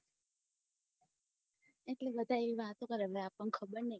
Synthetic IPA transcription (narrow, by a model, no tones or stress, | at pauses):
eʈlebəd̪ʱaeʋiʋat̪õkəɾəʋleapəɳkʰəbəɾnə